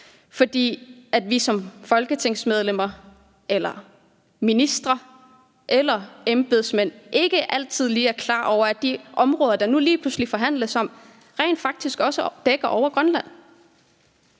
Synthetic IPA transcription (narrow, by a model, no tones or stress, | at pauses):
fɒ̽d̥ḭːæd̥ʋisɒ̽mfɒ̽lɡ̥ət͡sʰe̝ŋ̰smeð̞ˠlem̰ɐ | ʔelɐ | minisd̥ʁɐ | ʔelɐemb̥e̝ðˠsmen̰ʔe̝ɡ̥əʔæl̰t͡sʰið̰ˠliːæɐkʰlɑ̰̈ːʔɒʊɐæ̥d̥iʔɒ̽mʁɔːð̞ˠɐd̥ɑ̈nuliːpʰluslifɒ̽ɦæn̰ləsɒ̽m̰ | ʁɛ̰ɪnd̥fɑ̈ɡ̥̚d̥isɡ̥ɒ̽səd̥eɡ̥ɐʔɒʊ̰ɐɡ̥ʁɶnlæn̰